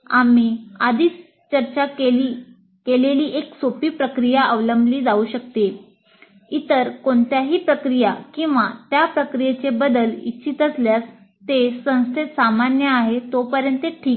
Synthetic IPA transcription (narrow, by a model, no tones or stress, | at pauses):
amiad̪ʱiːs | t͡ɕəɾt͡ɕaei | keleliːʔeksopiːpɾəkɾijaəʋləmbliːd͡zauːɕək̚t̪e | it̪əɾkoɳt̪jaɦiːpɾəkɾijakĩw̃ʋat̪japɾəkɾijet͡sebəd̪əlḭɕit̪əsljas | t̪esə̃w̃st̪ʰet̪samanjəaɦet̪opəɾjənt̪eʈʰiːk